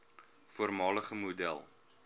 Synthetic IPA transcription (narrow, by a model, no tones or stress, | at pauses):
fuərmɑːləχəmudælˠ